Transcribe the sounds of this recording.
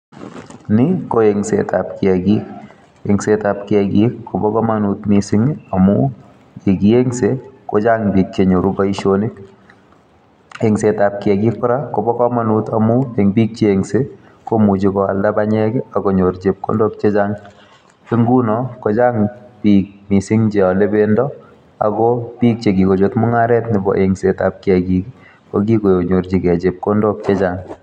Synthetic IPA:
nɪ˦ko˦eŋsḛtapkɪ˨a˨ɡi˦k | e˨ŋse˦ta˨pkɪa˨ɡi˦kːo˨bɔ˦kɔ˦ma˦nut̪misɪ˦ŋa˨mu˦ | e˨ɡi˨e˦ŋse˦ko˦d͡ʒa˦ŋbi˨k̚t͡ʃe˨ɲo˨ɾu˦ba˦i˦ʃoni˦k | e˨ŋse˨tap̚kɪ˨a˨ɡi˦k̚pʊ˦ɾa˦ko˨bɔ˦kɔ˦ma˦nuta˨mʊ˦e˨ŋbi˦k̚t͡ʃe˦e˨ŋse˦ | ko˦mu˨d͡ʒi˨kɔ˨a̰˨lda˦baɲɛ˦kɪ˦a˨ɡɔ˨ɲo˨ɾd͡ʒe˨p̚ko̰˦ndɔ˦k̚t͡ʃe˦d͡ʒaŋ | e˦ŋɡu˦nɔkɔ˨d͡ʒa˦ŋb̥ik̚mi˨sɪ˦ŋd͡ʒe˨ɔ˨le˦bendɔ˦ | a̰˨ɡɔb̥i˦k̚t͡ʃe˨ɡi˨ko˨d͡ʒo˨tmʊ˦ŋa˦ɾɛ˦tnɪ˨bɔ̰˨ʔeŋseta̰˨p̚kɪ˦a˨ɡi˨ki | kɔɡi˦ko˨joɲo˨ɾd͡ʒi˨kɛ˨d͡ʒe˨p̚ko˦ndɔ˦k̚t͡ʃe˦d͡ʒaŋ

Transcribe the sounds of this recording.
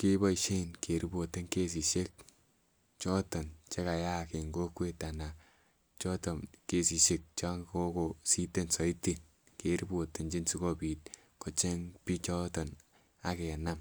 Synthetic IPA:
kɪ˦bɔ˦i˨ʃe˦nke˨ɾi˦bo˨te˦ŋke˦s̬i˨ʃe˦k̚ | t͡ʃɔ˦tɔ˨nt͡ʃɛ˦ka˨ja˦˨ke˨ŋɡo˦kwe˦ta˨na˨ | t͡ʃɔ˦tɔ˨mke˦si˨ʃe˦k̚t͡ʃa˦ŋko˦ko˨si˦te˦˨nsɔ˨i˦ti˨n | ke˨ɾi˦bo˨te˨nd͡ʒi˦nsi˦kɔ˦piː˨t̚ | kɔ˨t͡ʃɛ˦ŋpi˦t͡ʃɔ˦tɔ˨n | a˨ke˨na˦m

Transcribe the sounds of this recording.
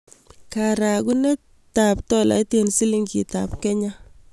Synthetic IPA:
ka˨ɾa˨ɡu˦nɛ˦ | ta˨p̚tɔ˦la̰˨˦te˨nsi˦li˦ŋkḭ˨ta̰˨pkɛ˦ɲa˦

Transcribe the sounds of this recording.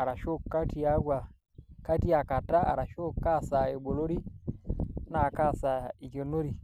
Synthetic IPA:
a˨ɾa˨ʃo˦kːa˦ti˨a˦ɡwa˨ | ka˦ti˦a˨ka˨ta˦a̰˨ɾa˨ʃo˦kːa˦sa˨e˨ɓo˨lo˦ɾi˦ | na˨ka˦˨sa˨i˨kɔ˨no˦ɾi˨

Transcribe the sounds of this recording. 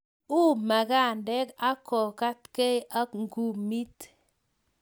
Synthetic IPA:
u˦ma˨ka˦˨ndɛ˦ka˦kɔ˨ka˦t̪ke˦jʔa˦ŋɡu˨mi˦t̪

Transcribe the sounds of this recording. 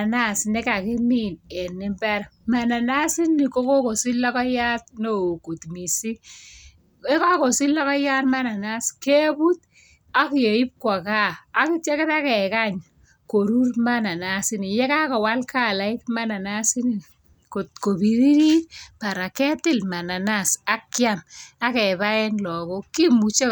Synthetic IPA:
a˨na˦˨sne˦ka˨kɪ˦mi˦˨nɛ˨nɪ˦mbɛ˦rma˨na˨na˦sɪ˦nːi˨ko˦ko˦ko˨sɪ˦lːa˦kɔ˦ja˦t̚no˨ku˨tmi˨si˦ | e˦ka˦ko˨sɪ˦lːa˦kɔ˦ja˦tma˦na˨na˦ske˦bu˦t̚ | a˨˦kje˨i˦p̚kwa˨kaː˦kɪ˦t͡ʃe˦kɪ˦ta˦kɛ˨ka˦ɲ | ko˨ɾu˦rma˦na˨na˦sɪ˦ni˨jɛ˦ka˦kɔ˨wa˦lka˦˨la˨ɪ˦kma˦na˨na˦sɪ˦ni˨ | ko˨tko˨bi˨ɾi˦ɾi˦pa˨ɾa˨kɛ˦tɪ˦lma˨na˨na˦˨sa˦kja˦ma˦kɛ˨ba˦ɛ˦nlɔ˨kɔ˦ki˦mu˨t͡ʃe˦

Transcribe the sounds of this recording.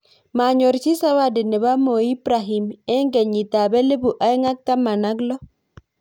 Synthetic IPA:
ma˨ɲo˨ɾt͡ʃi˦sa˦wa˦de˨ne˨ba˦mo˨i˦pɾa˨ɦi˨mɛ˦ŋɡɛ˨ɲi˨t̪a˨bɛ˦le˦bu˨ʔa˦i˦ŋa˦kːa˦ma˨na˦ɡlɔ˦

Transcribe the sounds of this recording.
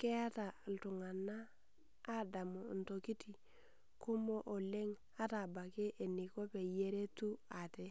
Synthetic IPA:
ke˦a˦ta˨ltu˨ŋa˨nːaː˦ | da˨mo˨n̩˨to˨ki˦ti˨ | ku˦mo˦ʔo˨le˦ŋ | a˦ta˨ba˨ke˦ʔːnːi˨ko˦pe˨je˦ɾe˦tu˦a˨te˦

